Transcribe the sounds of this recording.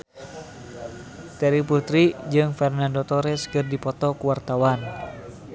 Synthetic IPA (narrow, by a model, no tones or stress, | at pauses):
t̪ɛɾiput̪ɾid͡ʒɨŋfɛrnandɔt̪ɔɾɛskɨrdipɔt̪ɔkuwart̪awan